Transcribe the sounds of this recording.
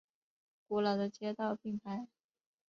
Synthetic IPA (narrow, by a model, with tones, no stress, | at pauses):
ku˧˥lɑ˨˩ʊd̪ə˧˦t͡ɕjɛ˥t̪ɑ˥˧ʊpʰi˨˩ŋpʰa˧˥ɪ